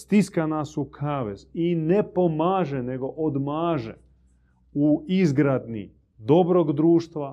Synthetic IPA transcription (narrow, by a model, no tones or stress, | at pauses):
st̪iskanaːsukʰaːʋezinepomaːʒene̞ɡo̞ʔod̪maːʒḛ | uizɡɾad̪nḭ | d̪o̞bɾoɡd̪ɾuːʃt̪ʋa